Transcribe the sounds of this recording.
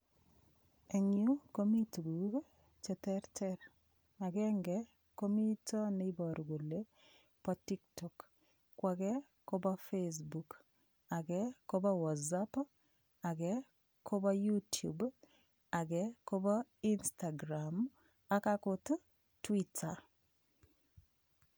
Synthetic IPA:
e˨ɲu˦ko˦mi˦tɡu˨ɡ | t͡ʃɛ˨tɛ˦ɾtʰɛ˦ɾ | a˨ɡɛ˦ŋɡɛ | ko˦mi˦tʰɔ˦ne˦i˦bɔ˨ɾɡo˨le˦ | pɔ˦ti˦ktɔ˨kː | wa˨ɡɛ˦ | ko˦ba˦fes̬bu˨k | a˨ɡɛ˦ko˦ba˦wa˨zap | a˨ɡɛ˦ | kʰo˦ba˦ju˦tjṵ˨b | a˨ɡɛko˦ba˦i˦nsta˨ɡɾam | a˦ka˦kʊt | twitʰa

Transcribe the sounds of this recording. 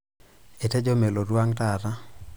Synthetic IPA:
e˨te˦d͡ʒo˦me˨lo˨ɾwa˦ŋta˨ta˦

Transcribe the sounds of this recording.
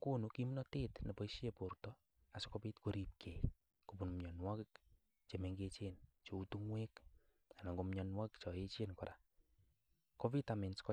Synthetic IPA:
ku˦nuki˦m˦nɔ˦te˦tne˨pɔ˦iʃe˨po˨rtɔ | a˨si̥ko˦pi˦tko˨ɾi˦p̚kʰe˨ | ku˨pu˨nmɲɔ˨nwa˦kɪk | t͡ʃe˨me˨ŋɡet͡ʃent͡ʃo˨u˦tu˦ŋwe˦k | a˨na˨ŋɡo˨mɲɔ˧nwa˦kkt͡ʃɔ˨e˦t͡ʃe˦nkɔ˨ɾʔa̰˨ | ko˦vi˦ta˨me˨nskɔ˦

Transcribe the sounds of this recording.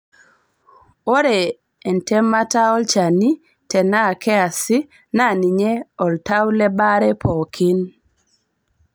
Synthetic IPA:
o˦ɾɛː˨ | ntɛ˦mːa˦ta˦ɔ˦lt͡ʃa˨ni˦ | tɛ˨na˦˨kɛ˦a˨si˦ | na˦˨ni˨ɲɛ˦ɔ˨lta˦wlɛ˦ba˦ɾɛ˦pʰɔ˨kʰɪ˦n

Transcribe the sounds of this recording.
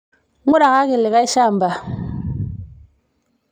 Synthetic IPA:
ŋu˦ɗa˨ka˦ki˨lːe˨ka˦i˦ʃa˦˨m˨ba˨

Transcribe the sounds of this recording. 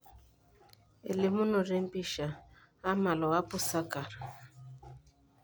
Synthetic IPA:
ḛ˨le˨mu˦no˨ɾe˦m̩˦pi˦ʃa˨ | a˦ma˨lɔ˨a˦pʊ˦sa˦ka˨ɾa˨

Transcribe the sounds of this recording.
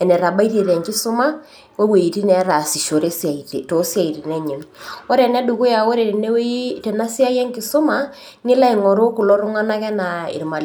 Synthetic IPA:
ɛ˨nɛ˨ɾa˨ba˦i˦te˨ðɛ˨ŋkɪ˦sʊ˦ma˦ | we˦we˨i˨ti˦nɛ˨˦ɾa˨si˨ʃo˨ɾe˦sa˨i˨te˨to˨˦sja˨i˨ti˨nɛ˦ɲi˨ŋɔ˦ɾɛ˨nɛ˦du˨ku˦ja˨wo˦ɾe˨i˨ne˦we˦te˨na˦si˦a˦jɛ˦ŋkɪ˨sʊ˦ma˦ | nɪ˦la˦i˨ŋɔ˨ɾo˦ku˨lɔ˦ɾʊ˦ŋa˦na˦kɛ˦na˨ɪ̰˨ɾma˨l

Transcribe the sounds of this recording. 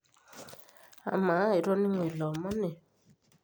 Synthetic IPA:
a̰˨ma˨˦˨i˨ɾɔ˦ni˦ŋwe˨lɔ˨mɔ˦ne˨

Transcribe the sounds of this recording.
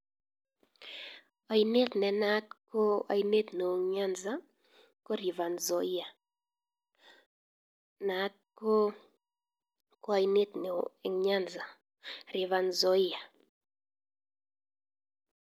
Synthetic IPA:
a˨ine˦t̪nɛ˨na˦t̪ko˦a̰˨i˦ne˦t̪no˨o˨ɲa˦nza˦ | ko˦ɾi˨va˨nzɔ˨ɪ˦a˨ | na˨˦t̪̚ko˦ | ko˦a˨ine˦t̪ne˨o˨ɲa˦nza˨ | ɾɪ˨va˨nzɔ˦ɪ˦ja˨

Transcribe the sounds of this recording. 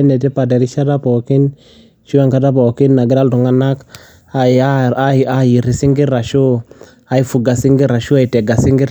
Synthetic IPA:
e˦ne˨ti˦pa˨de˨ɾi˦ʃa˦da˦po˨ki˦n | t͡ʃu˦a˦ŋka˦da˦po˨ki˦nːa˨ɡi˦ɾa˦ldu˨ŋa˦na˦k | a˨a˦a˦˨a˦˨ji˨ɾi˨si˦ŋɡi˦ɾɾa˨ʃu˦ | a˨i˦fu˨ɡa˨si˦ŋɡi˦ɾa˨ʃu˦a˨i˨te˨ɡa˨si˦ŋɡi˦ɾ

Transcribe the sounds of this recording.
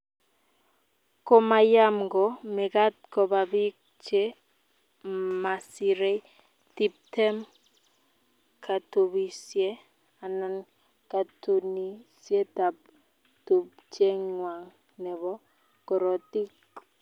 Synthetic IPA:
kɔ˨ma˨ja˦mɡɔ˨mɛ˨ka˦t̚kɔ˨ba˨bi˦k̚ | t͡ʃe˦ | ma˨si˨ɾe˦ | ti˨p̚tɛ˦m | kʰa˨to˨βi˨sjɛ˦ | a˨na˦n | ka˨to˨ni˦sjɛ˦ta˨p̚ | to˨pt͡ʃe˦ŋwa˨ŋ | nɛ˨βɔ˦ | kɔ˨ɾɔ˨ti˦k

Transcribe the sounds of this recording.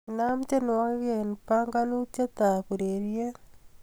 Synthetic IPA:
na˦mt͡ʃe˦nwaɣɣenpaŋɡa˦nu˦t͡ʃa˦t̪a˨ku˨ɾeɾje˦

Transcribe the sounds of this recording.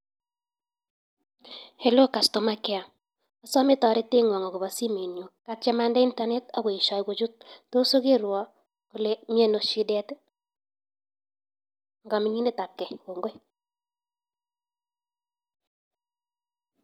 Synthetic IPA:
he˨lo˦ka˨sto˨ma˦kɛ˦a˨ | ɔ˦sɔ˦mɪ˦tɔ˨ɾɪ˦te˦ŋwɔ˨ŋɔ˨ɡu˨βɔ˨si˦mi˨njo˨kat͡ʃɛ˦ma˦ndɛ˦i˦nta˦ne˦tɔ˦ɡo˨i˨ʃɔ˨jɡo˨d͡ʒu˦t̚ːo˦so˦ke˦ɾwɔ˨ | kʊ˨le˦mi˦e˦no˨ʃi˦dɛ˦t | ŋɡɔ˨mi˨ɲi˦ne˦ta˨p̚kːɛ˨ko˨ŋɡo˦j

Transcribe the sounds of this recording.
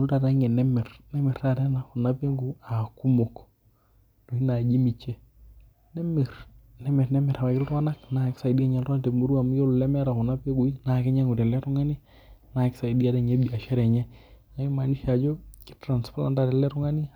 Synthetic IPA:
o˨lta˨ta˦ŋɛ˨nɛ˦mɛ˨rnɛ˦mɛ˨rta˦˨tɛ˦na˨kɔ˨na˦pe˦ŋɡu˨a˨ku˦mo˨k | do˨i˦na˨d͡ʒi˦mi˨t͡ʃɛ˦ | nɛ˦me˨ɾ | nɛ˦mɛ˨rnɛ˦mɛ˨ɾa˨βa˨kɪ˦ltwa˦na˦kna˨ɛ˨ksa˨di˦a˦ɲɛ˦lrwa˦na˨te˨mu˦ɾu˦a˨mu˦jo˦llɛ˦mɛ˦ɾa˨kɔ˨na˦pe˦ɡu˨i˦na˨kɛ˦ɲɛ˦ŋu˨tɛ˨lɛ˦tu˦ŋa˦ni˦ | na˨ɛ˨ksa˨i˨di˦a˨˦tɛ˦˨ɲɛ˦ɓi˨a˨ʃɛ˦ɾɛ˨ɲɛ˦na˨˦ki˦ma˨ni˦ʃa˨d͡ʒo˦ki̥˦tɾa˨nspla˦nta˦˨ɾɛ˨lɛ˦ɾu˦ŋa˦ni˦

